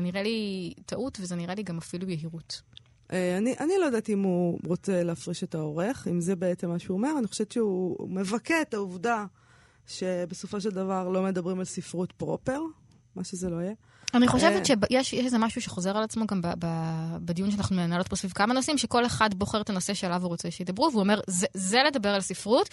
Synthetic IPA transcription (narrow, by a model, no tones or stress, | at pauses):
niʁalitaʔutvezeniʁaliɡamafilujeɦiʁut | ʔeaniʔanilojed̪at̪iimhuʁo̞t͡se̞leafʁiʃet̪ao̞ʁe̞χimzebe̞et͡semːaʃeuome̞ʁaniχo̞ʃevet̪ʃeume̞vaket̪auvda | ʃe̞beso̞fo̞ʃeld̪avaʁlo̞me̞d̪ɐbʁimalsifʁutpʁopeʁ | maʃezelo̞ije | aniχo̞ʃeveʃebjeʃjeʃezemaʃuʃeχo̞ze̞ʁalat͡smo̞ɡambababedijunʃeanaχnumenalot̚bosvivkamano̞simʃeko̞le̞χadbo̞χe̞ʁet̪ano̞se̞ʃelavuʁo̞t͡se̞ʃeitd̪abʁuveuome̞ʁzezele̞dabeʁalsifʁut